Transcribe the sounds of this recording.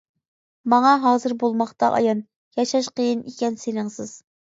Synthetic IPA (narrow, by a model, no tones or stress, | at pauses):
mɑŋɑɦɑːzɨɾbolˠmɑχt̪ɑʔɑ̰jɑn | jɑʃɑʃqʰəjinikʲɛnsenɪŋsɨz̥